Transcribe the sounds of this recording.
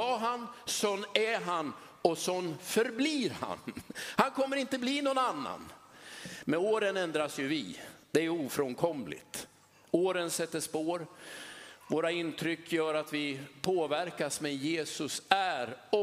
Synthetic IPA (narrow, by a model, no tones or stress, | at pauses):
aɦansɔnːæɦan | ɔsɔnːfœɾbliːɾha̰nhankʰɔmːəɾɪnt̪əbliːnɔnanːa̰n | mɛnoːɾənɛnd̪ɾasjɵvɪ̰d̪̥ɛæɾjuːfɾɔŋkʰɔmlɪ̰t̪ | oːɾənsɛt̪ːəʂpoːɾ | voːɾaɪnt̪ʰɾʏkːjœːɾat̪vɪpʰoːvæɾkasmɛnjeːsɵsæɾɔ